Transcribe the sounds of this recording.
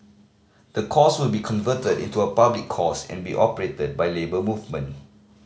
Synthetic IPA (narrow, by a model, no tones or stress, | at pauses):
d̥əkʰɔswɪlbikʰɔ̃nvətədḭ̃ntuəpablikʰːɔsɛ̰̃nbiʔɔpəɹetəd̚bajlebəmuvmə̃n